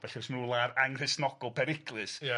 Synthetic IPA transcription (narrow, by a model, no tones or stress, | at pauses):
vɛɬɛsmulˠaɾaŋr̥ɪsnɔɡ̥ɔlˠpʰɛɾɪkʰlˠɨsja